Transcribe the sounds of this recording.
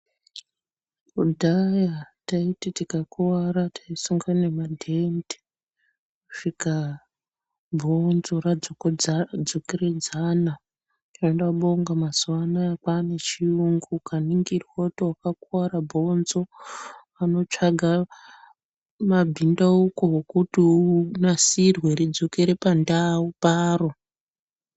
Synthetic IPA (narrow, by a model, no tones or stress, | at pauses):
udʱajataititikakuwaɾatʰḁisuŋɡane̞madʱendi̥ | kuʂika | bʱonzorad͡zod͡zokered͡zana | taendaɓoŋɡamazuwanaakane̞t͡ʃiuŋɡukaniŋɡirwo̞towakakaɾabʱo̞nzo̞ʋano̞t͡ʂaɡʱa | mabʱindaukokutiunasirwe̞ɾid͡zo̞ke̞ɾe̞pandawupaːro